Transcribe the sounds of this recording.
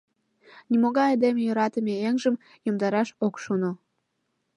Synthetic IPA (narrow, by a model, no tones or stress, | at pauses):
nimoɣɑɑd̪emejoɾɑt̪əmeeŋʒəm | jomd̪ɑɾɑʃokʃono